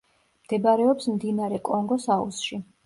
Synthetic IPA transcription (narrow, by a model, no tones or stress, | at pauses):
md̪̥ɛbaɾɛɔpsmd̪inaɾɛkʼɔŋɡɔsaṵsʃi